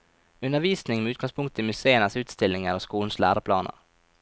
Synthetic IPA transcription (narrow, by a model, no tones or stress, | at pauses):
ɵnd̪əɾviːsnɪŋmɛʉ̟t̪̚ɡɔŋspʰɵŋkt̪ʰɪlmɵseːənasʉ̟ːt̪st̪ɛlnɪŋaɾɔskuːlnslæ̰ːɾapʰlɑ̰ːnə̰ɾ